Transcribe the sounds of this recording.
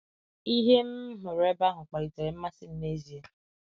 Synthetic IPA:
i˦ɦe˦m̩˦ɦʊ˨ɾe˦ba˦ɦʊ˨k͡pa˨ɾi˨te˨ɾɪ˨m̩˦ma˦sɪ˦n̩˦ne˦zi˨e˦

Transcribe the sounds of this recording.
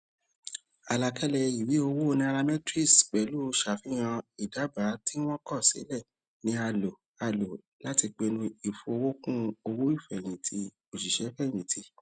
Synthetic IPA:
a˨la˧kʰɛ˦lɛ˧i˨wi˨˦o˧wo˦˧nĩ˧a˧a˧mɛ̃˦tɾi˦˨sk͡pɛ˨˦lu˦˧˦ʃa˨fĩ˨˦j̃ã˧i˨da˨˦ba˨˦ti˦w̃ɔ̃˦kɔ˦˨sḛ˨˦lɛ˦˨ | nĩ˧˦a˧lo˨ | a˧lo˨ | la˦ti˧k͡pe˧nũ˧i˨fo˧wo˦kũ˦o˧wo˦i˦˨fɛ˨j̃ĩ˨tʰi˧˦ | o˨ʃi˨ʃɛ˨˦fɛ˦˨j̃ĩ˨tʰi˧˦

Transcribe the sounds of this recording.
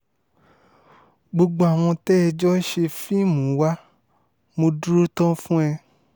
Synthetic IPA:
ɡ͡bo˧ɡ͡bo˧a˨w̃ɔ̃˧tɛ˦ɛ˧d͡ʒɔ˦ʃe˧fi˦mũ˨˦wa˦ | mõ˧du˦ɾu˦tɔ̃˦fũ˦ɛ˧

